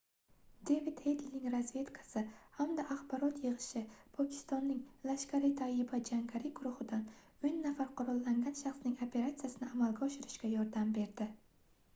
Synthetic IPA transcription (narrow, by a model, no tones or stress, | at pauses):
d̪evid̪hed̪lnɪŋɾazve̞t̪kʰḁsɪhamd̪aʔaχbɒɾɒt̪jɨʁɨʃɪpʰɒkʲʰɪ̥st̪ɒnːɪŋlaʃkʲʰaɾɪt̪ʰajɪbad͡ʒaŋɡʲaɾɪɡʊɾʊhɪd̪an | ʊjnːafaɾqʰʊɾɒlːaŋɡʲanʃaχsnɪŋopʰe̞ɾat̪sijasɪnɪamalˠɡʲaɒʃɪɾɪʃkʲajɒɾd̪ambe̞ɾd̪ɪ